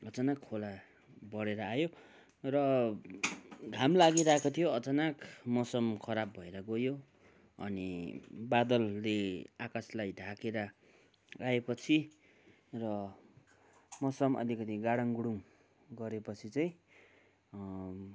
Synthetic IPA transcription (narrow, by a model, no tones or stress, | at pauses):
ʌd͡zʌnakʰːola | bʌɽeɾʌajo | rʌ | ɡʱamlaɡiɾaekot̪ʰijoʌt͡sʌnakmʌsʌmkʰʌɾabːʱʌeɾʌɡojo | ʌ̰nḭbad̪ʌlːeakaslajdʱakeɾʌ | aepʌt͡sʰi | rʌ | mʌsʌmʌ̰likʌt̪iɡaɽaŋɡuɽuŋ | ɡʌɾepʌt͡sʰit͡saj̃ĩ